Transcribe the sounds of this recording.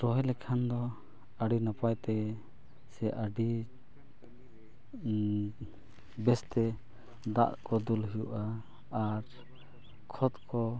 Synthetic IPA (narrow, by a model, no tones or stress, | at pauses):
ɾɔɦɛlɛkʰand̪ɔ | aɖinapajt̪ɛ | sɛʔaɖi | bɛst̪ɛ | d̪a̰ʔkɔd̪ulɦijuʔaː | ɾ | kʰɔt̪kɔ